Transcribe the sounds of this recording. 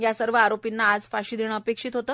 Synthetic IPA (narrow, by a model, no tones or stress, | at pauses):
jasəɾʋəaɾopinːaːd͡zfaɕiːd̪ʱiɳ̃əəpekʂiːt̪ɦot̪əː